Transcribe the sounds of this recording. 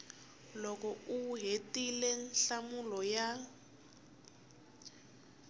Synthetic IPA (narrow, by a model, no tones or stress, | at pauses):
lɔkɔuɦetilɛnɬamulɔja